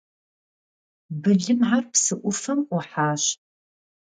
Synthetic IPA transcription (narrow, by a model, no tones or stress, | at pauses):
bɨɮɨmʕarpsɨʔʷʊfɐmʷʊħaːɕ